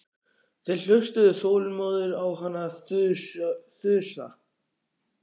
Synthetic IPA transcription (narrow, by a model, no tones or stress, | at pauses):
θejl̥ʏst̪ʏðʏθoːwlmɔːðʏɾawɦanːaθʏsθʏːsa̰